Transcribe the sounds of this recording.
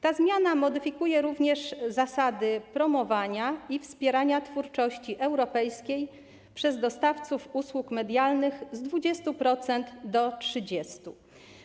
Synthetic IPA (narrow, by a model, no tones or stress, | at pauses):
t̪azmʲjanamɔd̪ɘfʲikujɛɾuvɲɛʂzasad̪ɘpɾɔmɔvaɲaifspʲjɛɾaɲat̪fuɾt͡ʂɔɕt͡ɕiʔɛwɾɔpɛjskʲej | pʂɛzd̪ɔst̪aft̪sufuswukmɛd̪ʲjalnɘxzd̪vud͡ʑɛst̪upɾɔt̪sɛnt̪d̪ɔtʂɘd͡ʑɛst̪u